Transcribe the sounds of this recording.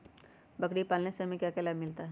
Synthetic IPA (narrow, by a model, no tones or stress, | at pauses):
bɐkɽipaːlnesemẽkjaːkɛːlaːmɪlt̪aɦɛ